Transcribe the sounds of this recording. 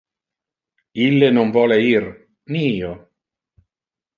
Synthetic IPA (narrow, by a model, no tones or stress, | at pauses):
ilːenoɱvɔːleir | nio